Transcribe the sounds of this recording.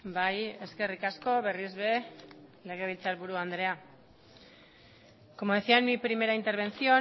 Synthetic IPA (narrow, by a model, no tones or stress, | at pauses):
baje̞ske̞rikasko̞βe̞rizβe̞le̞ɣ̞e̞β̞ilt͡saɾβuɾuand̪ɾe̞a | ko̞moðesianmipɾime̞ɾaint̪eɾβ̞e̞nsio̞